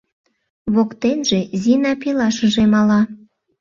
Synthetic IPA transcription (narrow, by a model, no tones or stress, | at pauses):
βokt̪enʒezinɑpelɑʃəʒemɑlɑ